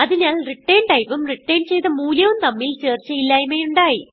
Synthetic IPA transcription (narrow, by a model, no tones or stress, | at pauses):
ɐðinaːlriʈːeːnɖɐjpumriʈːeːnt͡ɕejt̪ɐmuːljɐʋumt̪ɐmːilt͡ɕeːrt͡ɕːɐjilːaːjumɐjuɳɖaːji